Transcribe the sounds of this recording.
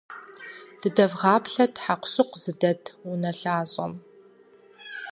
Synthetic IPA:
d̥ɨdɐvʁɑːpɬɐtʰħaqʷɕɨqʷz̥ɨdɐtʰʊnɐɬaːɕʼɐ̰m

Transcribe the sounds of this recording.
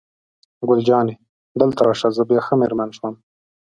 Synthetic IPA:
ɡʊld͡ʒɑːne | d̪əlt̪aɾɑːʂazəbjɑxəmeɾmanʃwam

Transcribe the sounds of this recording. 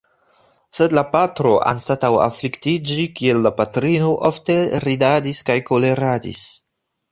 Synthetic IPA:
se̞dlapatɾo̞ʔa̰nstatawa̰fliktid͡ʒikie̞lːapatɾino̞ʔofte̞ɾidadiskajko̞le̞ɾadḭs

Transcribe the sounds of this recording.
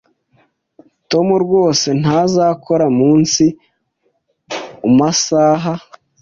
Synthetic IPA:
to̞muɾɡwo̞ːse̞n̥azaːkʰo̞ɾamuːnsi | umasaɦa

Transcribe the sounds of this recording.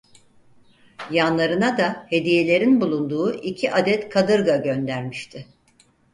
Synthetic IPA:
janlˠaɾɯnad̪ahe̞d̪ije̞lʲe̞ɾinbulˠund̪uːʔicʰiʔad̪ɛt̪kʰad̪ɯɾɡaɟø̞nd̪æɾmiʃt̪ʰɪ

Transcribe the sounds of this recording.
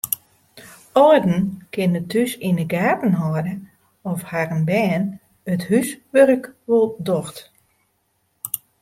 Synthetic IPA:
ɔədn̩kɪnətʰysinəɡaːtn̩ɦɔədə | ɔfharənbɛːn | əthysʋørəkʋulˠdɔxt

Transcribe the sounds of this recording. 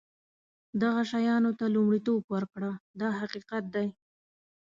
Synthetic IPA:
d̪aɣaʃajɑnot̪alumɽit̪obwaɾkɽad̪ɑhaqiqat̪̚d̪aj

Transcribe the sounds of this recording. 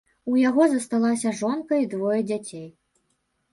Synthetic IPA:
ujaɣɔzɐst̪alˠasʲɐʐɔnkɐid̪vɔjɐd͡zʲat͡sʲej

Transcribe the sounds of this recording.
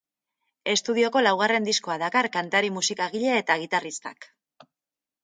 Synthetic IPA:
e̞st̪uð̞io̞ko̞lawɣ̞are̞nd̪isko̞aðakarkant̪aɾimusikaɣiʎe̞ːt̪aːɣ̞it̪arist̪a̰k

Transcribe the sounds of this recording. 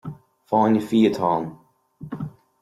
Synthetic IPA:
faːnjəfiːət̪ʰɑ̃ːm

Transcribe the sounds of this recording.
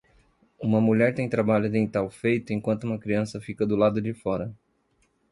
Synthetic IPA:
ũmɐmuʎɛɾt̪ẽj̃t̪ɾabaʎʊd̪ẽj̃t̪awfejt̪ʊẽj̃kwɐ̃nt̪ʊũmɐkɾiɐ̃sɐfikɐd̪ʊlad̪ʊd͡ʒɪfɔɾɐ

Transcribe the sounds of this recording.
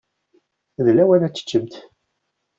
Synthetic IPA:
ðlæwæɾæt͡sːə̥t͡ʃːəmt̪

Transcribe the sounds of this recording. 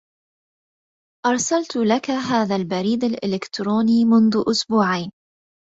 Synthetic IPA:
ʔɑɾˤsalt̪lakaɦaːðalbaɾiːd̪alʔɪlɪkt̪ɾuːniːmʊnðʊʔʊsbuːʕajn

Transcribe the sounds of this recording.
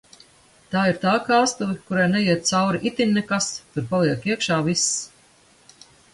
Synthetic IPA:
t̪aːiɾt̪aːkaːst̪uvʲikuɾajnɛjiɛt̪̚t̪sawɾiʔit̪ʲiɲʲnɛkast̪uɾpalˠiɛkiɛkʃaːvis

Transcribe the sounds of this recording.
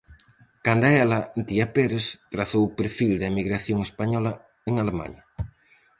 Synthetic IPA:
kand̪aɛlɐnt̪iapeɾest̪ɾaθowpeɾfild̪aemiɣɾaθjoŋespaɲɔlɐ | eŋalema̰ɲɐ

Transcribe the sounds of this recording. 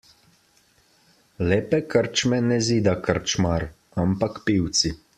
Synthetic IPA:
leːpɛkəɾt͡ʃmɛnɛziːd̪akəɾt͡ʃmaɾ | ampakpiwt̪si

